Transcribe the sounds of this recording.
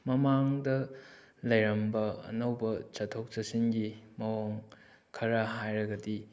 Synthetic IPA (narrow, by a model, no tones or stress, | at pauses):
mɐmaŋdɐ | lɐjɾɐmbɐɐ̰nɐwbɐt͡ʃɐtʰok̚t͡ʃɐsiŋɡimɐwaŋ | kʰɐɾɐɦajɾɐɡɐdi